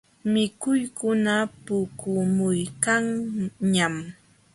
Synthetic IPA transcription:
mɪkʊjkʊnapʊkʊmʊjkaŋɲam

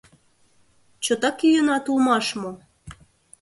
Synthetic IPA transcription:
t͡ɕɤt̪ɑkyjənɑt̪ulmɑʃmo

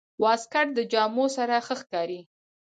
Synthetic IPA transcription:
wɑskaʈ̚d̪əd͡ʒɑmosaɾaxəxkɑɾi

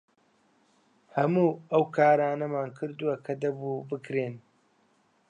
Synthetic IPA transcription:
hɐmuːɐwkʰaːɾaːnɐmaːnkʰɨɾd̪uwɐkʰɐd̪ɐbuːbɨkɾeːn

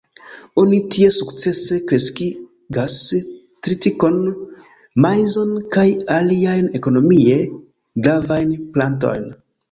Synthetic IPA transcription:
onitie̞sukt͡se̞se̞kɾe̞ski | ɡas | tɾitiko̞n | majzo̞nkajaliajne̞ko̞no̞mie̞ | ɡɾavajnplant̬o̞̰jn

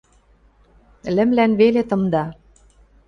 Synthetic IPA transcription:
lɘ̆mlænβelet̪ɤ̆md̪ɑ

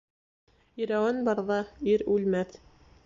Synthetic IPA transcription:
iɾæwænbɑɾðɑiɾʉlmæθ

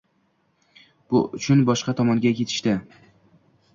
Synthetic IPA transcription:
b̥ʊʊt͡ʃʰʊnbɒʃqɑt̪ʰɒmɒŋɡʲakʲʰe̞t̪ʰɪ̥ʃt̪ɪ

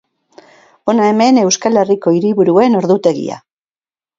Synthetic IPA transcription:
onaemene̞wskaleriko̞iɾiβuɾue̞no̞ɾðut̪e̞ɣ̞ḭa̰

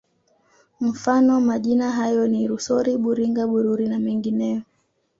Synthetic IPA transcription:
m̩fanɔmaʄinaɦajɔniɾusɔɾiɓuɾiŋɡaɓuɾuɾinamɛŋɡinɛjɔ

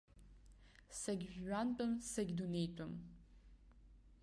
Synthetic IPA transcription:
sɐɡʲːantʼɨmsɐɡʲd̪unejtʼɐm

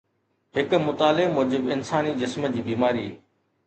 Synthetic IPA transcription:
ɦɪkmʊt̪aːlɪmoːd͡ʑɪbɪnsaːnid͡ʑɪsməd͡ʑiːbiːmaːɾḭː

